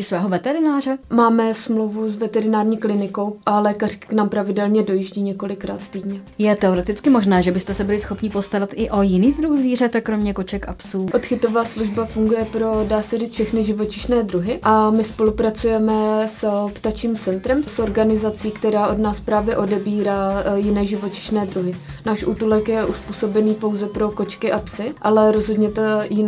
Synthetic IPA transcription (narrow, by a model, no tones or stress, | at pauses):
ɪsvɛːɦovɛt̪ɛɾɪnaːrɛmaːmɛsmlowvusvɛt̪ɛɾɪnaːɾɲiːklɪnɪko̞wʔalɛːkarɪ̥kɪ̥knaːmpɾavɪdɛlɲɛdo̞jɪʒɟiːɲɛko̞lɪkɾa̰ːt̪t̪iːdɲɛjɛt̪ɛoɾɛt̪ɪt͡skɪmoʒnɛːʒɛbɪst̪ɛsɛbɪlɪsxo̞pɲɪpo̞st̪aɾat̪ʔɪʔo̞jɪniːd̪ɾuxzviːr̝at̪akɾomɲɛko̞t͡ʃɛka̰psuːʔot̪xɪt̪o̞vaːsluʒbafuŋɡujɛpɾo̞daːsɛriːt͡sfʃɛxnɪʒɪvo̞t͡ʃɪʃnɛːd̪ɾuɦɪʔamɪspo̞lupɾat͡sujɛmɛspt̪at͡ʃiːmt͡sɛnt̪ɾɛmsʔo̞ɾɡanɪzat͡siːkt̪ɛɾaːʔo̞dnaːspɾaːvjɛʔo̞dɛbiːɾaːjɪnɛːʒɪvo̞t͡ʃɪ̥ʃnɛːd̪ɾuɦɪnaːʃʔuːt̪ulɛkjɛʔuspuːso̞bɛniːpo̞wzɛpɾo̞ko̞t͡ʃkɪʔapsɪʔalɛɾo̞zɦo̞dɲɛt̪jɪn